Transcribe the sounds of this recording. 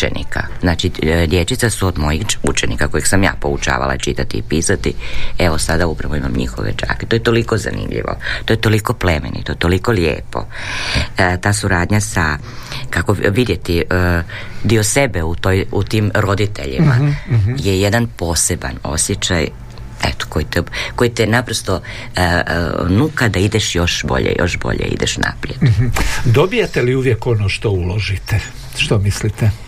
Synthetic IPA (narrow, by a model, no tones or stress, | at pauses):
ḛnḭka̰znat͡ʃid̪jet͡ʃit̪sasuod̪mo̞jixut͡ʃenikako̞jiɡsamja̰ːpout͡ʃa̰ːʋa̰lˠa̰it͡ʃit̪at̪iːpiːsat̪ieʋosad̪aupɾaʋoima̰mɲḭxo̰ʋḛt͡ʃa̰ːke̥t̪ojet̪o̞liko̞za̰nḭmʎḭʋo̞̰t̪ojet̪o̞liko̞plemḛnḭt̪oet̪o̞liko̞ljḛːpo̞̰ | t̪aːsuɾaːd̪ɲasa | kakoʋid̪jet̪i | d̪iosebeut̪oːjut̪iːmɾo̞d̪it̪e̞̰ʎḭma̰jejed̪anpo̞ːseba̰no̞̰sjet͡ʃa̰j | ḛt̪o̥kojit̪eko̞jit̪ɛnapɾost̪o̞ | nukad̪aid̪eʃjo̞ʃbo̰ʎḛjo̰ʃbo̞̰ʎḛḭd̪ḛʃna̰pɾijed̪d̪obijet̪eliuʋjeko̞noːʃt̪oulo̞ʒit̪e | ʃt̪omislit̪e